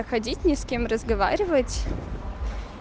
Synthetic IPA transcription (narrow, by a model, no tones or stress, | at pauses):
əxɐdʲitʲnʲɪskʲemrəzɡɐva̰ɾʲɪvətʲ